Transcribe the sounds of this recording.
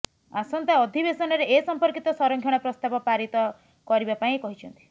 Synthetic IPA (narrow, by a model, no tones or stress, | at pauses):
asɔnt̪aɔd̪ʱibesɔnɔɾeesɔmpɔɾkit̪ɔsɔɾɔŋɡʱjɔɽ̃ɔpɾɔst̪abɔpaɾit̪ɔ | kɔɾibapaĩkɔɦit͡ʃʰɔnt̪i̥